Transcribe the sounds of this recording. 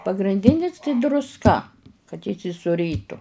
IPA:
pɐɡrʲɪnʲˈdʲɪnʲɪs tɐɪ drʊsˈkɐ kɐt iːsʲɪsʊˈrʲiːtʊ

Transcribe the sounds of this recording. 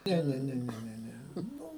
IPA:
ˈnʲɛ ˈnʲɛ ˈnʲɛ ˈnʲɛ ˈnʲɛ ˈnʊ

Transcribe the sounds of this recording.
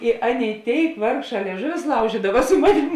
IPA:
ɪ ˈɑːˌnʲeːɪ ˈtʲeːɪk ˈʋɐrkˌʃɑː lʲiɛˈʒʊʋʲʊs ˈlˠɐʊʒʲiːdɐʋɐ sʊ ˈmɑːnʲɪm

